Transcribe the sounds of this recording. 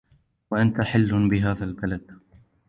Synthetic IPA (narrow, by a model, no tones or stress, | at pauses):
waʔant̪aħɪlːbɪɦaːðalbalad̪̥